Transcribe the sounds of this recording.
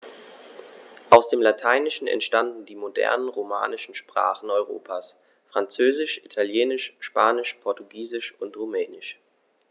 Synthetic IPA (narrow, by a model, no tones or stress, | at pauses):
ʔaʊsd̥eːmlatʰaɪnɪʃn̩ɛ̰ntʃtandn̩diːmodɛ̰ɐnənʁoma̰ːnɪʃn̩ʃpʁ̥a̰ːχn̩ɔʏʁ̞o̰ːpʰaːs | fʁ̥ant͡søːzɪʃʔitʰaljeːnɪʃʃpaːnɪʃpʰɔɐtuɡiːzɪʃʊntʁumɛːnɪʃ